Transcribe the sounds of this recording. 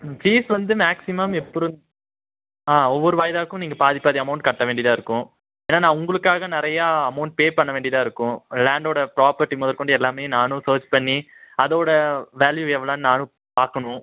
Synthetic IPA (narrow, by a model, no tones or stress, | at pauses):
d͡ʒiːsʋɐnd̪ɯmaːksɪmɐmɛpːɔɾɯ̃ | aːɔʋːɔɾɯʋaːjɐðaːkːɯ̃mniːŋɡɐpaːðɪpːaːðiɐmɐʊɳʈ̚kɐʈːɐʋeːɳɖɪjɐðaːɪɾɯkːʊ̃ | eːnːaːnãːʊŋɡɐɭɯkːaːɣɐnɪɾɐjaɐmɐʊɳʈ̚peːpɐɳːɐʋeːɳɖɪɐðãːɪɾɯkːʊ̃laːɳɖoːɽɐpɾaːpɐɾʈːimɔːðɐɾkɔɳɖɯɛlːaːmeːnaːnʊ̃soːt͡ʃpɐɳːi | ɐðoːɽɐʋaːljuɛʋːɐlaːnnaːnɯ̃ | paːɾkɐɳʊ̃